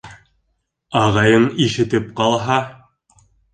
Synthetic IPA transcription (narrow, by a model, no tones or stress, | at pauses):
ɑʁɑjɤɴiʃɘ̆t̪ɘp̚qɑlˠɦɑ